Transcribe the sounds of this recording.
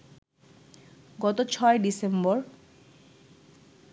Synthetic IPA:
ɡɔt̪ot͡ɕʰɔeɖisemboɾ

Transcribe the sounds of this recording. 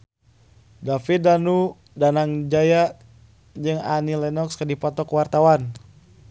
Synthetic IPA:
dafidanu | danaŋd͡ʒaja | d͡ʒɨŋanilɛnɔkskadipɔt̪ɔkwart̪awan

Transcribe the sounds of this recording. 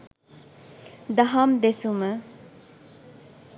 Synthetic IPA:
d̪ɐɦamd̪esumə

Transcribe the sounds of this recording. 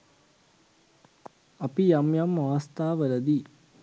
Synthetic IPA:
ɐpijamjamːaʋɐst̪aːʋəlɐd̪i

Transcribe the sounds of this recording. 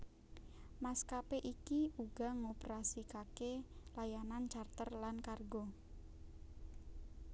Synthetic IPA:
maskapeʔikiuɡ̥a̤ŋopeɾasikakelajanant͡ʃart̪ərlankarɡo

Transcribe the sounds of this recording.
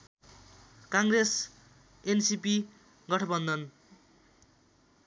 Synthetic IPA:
kaŋɡres | ensipi | ɡʌʈʰʌbʌnd̪ʌn

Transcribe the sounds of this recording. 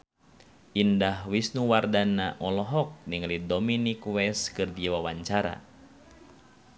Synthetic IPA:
ʔindahwisnuwardanaʔɔlɔɦɔk̚niŋlidɔminikwɛskɨrdiwawaɲt͡ʃaɾa̰

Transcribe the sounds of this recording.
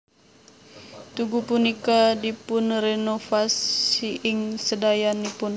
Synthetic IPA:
t̪uɡupunikadipʊnrɛnofasiʔɪŋsədajanipʊn

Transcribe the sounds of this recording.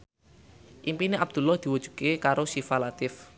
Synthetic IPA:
ʔimpineʔab̚d̪̥ṳlɔhd̪̥i̤wud̥ʒ̥ṳ̥kekaɾosifalat̪ɪf

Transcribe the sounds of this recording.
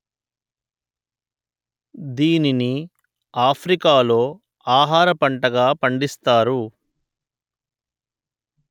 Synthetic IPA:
d̪iːnini | aːpʰɾikaːlo̞ː | aːɦaːɾɐpɐɳʈɐɡaːpɐɳɖist̪aːɾu

